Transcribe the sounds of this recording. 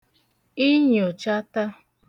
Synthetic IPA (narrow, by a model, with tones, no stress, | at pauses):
i˦ɲ˨o˨t͡ʃa˦ta˦